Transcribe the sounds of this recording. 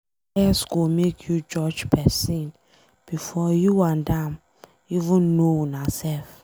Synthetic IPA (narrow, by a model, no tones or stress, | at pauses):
ɛsɡomekʰjud͡ʒɔd͡ʒpɛsĩn | b̥ifɔjuwãndãm | ivũnːonasɛlf